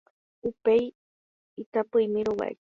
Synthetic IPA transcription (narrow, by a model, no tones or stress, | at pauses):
upej | it̪apɨjmiɾuwa̰j